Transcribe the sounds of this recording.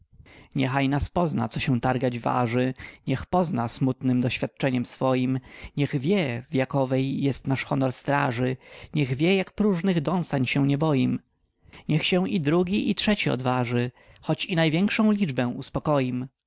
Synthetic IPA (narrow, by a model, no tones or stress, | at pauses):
ɲɛxajnaspɔzna̰t̪sɔɕɛ̃t̪aɾɡad͡ʑva̰ʐɘɲɛxpɔznasmut̪nɘmd̪ɔɕfʲjat̪̚t͡ʂɛɲɛmsfɔjimɲɛɣvʲjɛvjakɔvɛjːɛst̪naʂxɔnɔɾst̪ɾaʐɘɲɛɣvʲjɛjakpɾuʐnɘɣd̪ɔ̃w̃st̪aɲɕɛw̃ɲɛbɔjim | ɲɛxɕɛ̃w̃id̪ɾuɡʲiitʂɛt͡ɕiɔ̰d̪vaʐɘ | xɔt͡ɕinajvʲjɛŋkʂɔ̃w̃lʲid͡ʐbɛw̃uspɔkɔjim